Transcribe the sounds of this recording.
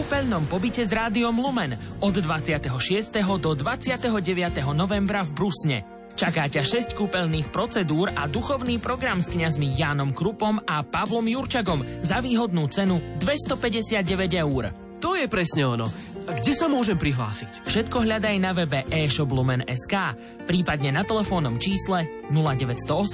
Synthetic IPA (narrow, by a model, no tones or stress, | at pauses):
kuːpɛʎnɔmpɔbicɛzɾaːd̪iɔmlumɛnɔd̪d̪ʋat͡sɪat̪ɛɦɔʃɪɛst̪ɛɦɔd̪ɔd̪ʋat͡sɪat̪ɛɦɔɟɛʋɪat̪ɛɦɔnɔʋɛmbɾavbɾusɲɛ̰ | t͡ʃakaːcaʃɛsckuːpɛʎniːxpɾɔt͡sɛd̪uːɾad̪uxɔʊniːpɾɔɡɾamskɲazmijaːnɔmkɾupɔmapaʋlɔmjuɾt͡ʃaɡɔmzaʋiːɦɔd̪̚nuːt͡sɛnud̪ʋɛst̪ɔpɛɟɛsɪad̪̚ɟɛʋɛɟɛuɾ | t̪ɔjɛpɾɛsɲɛɔnɔ̰ | ɡɟɛsamʊɔʒɛmpɾiɦla̰ːsicfʃɛt̪kɔɦʎad̪ajnaʋɛbɛʔɛːʃɔblumɛnɛ̰skaː | pɾiːpad̪ɲɛnat̪ɛlɛfɔːnɔmt͡ʃiːslɛ | nulaɟɛʋɛcst̪ɔɔs